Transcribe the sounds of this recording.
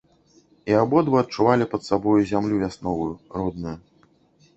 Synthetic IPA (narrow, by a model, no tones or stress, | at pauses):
iabɔd̪vɨɐt̪̚t͡ʂːuvalʲipɐt̪sabɔjuzʲamlʲuvʲasnɔvujurɔd̪nɨju